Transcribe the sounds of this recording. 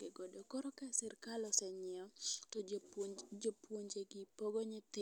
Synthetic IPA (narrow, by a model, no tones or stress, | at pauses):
ɡɪɡodokɔɾɔkasɪɾkalɔsɛɲɪɔtɔ | d͡ʒopwoɲd͡ʒeɡɪpoɡɔɲɪt̪ɪ